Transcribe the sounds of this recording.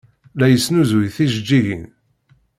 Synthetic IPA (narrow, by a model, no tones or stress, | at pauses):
læjəsnuzwijθiʒəd͡ʒːiʝḭn